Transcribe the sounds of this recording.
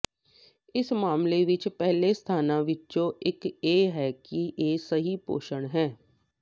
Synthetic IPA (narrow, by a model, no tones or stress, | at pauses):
ɪsmaːmleʋɪt͡ʃpɛɦlest̪ʰaːnãːʋɪt͡ʃt͡ʃõːʔɪkeːɦɛːkiʔeːsəɦipo̰ːʃəɳɦɛː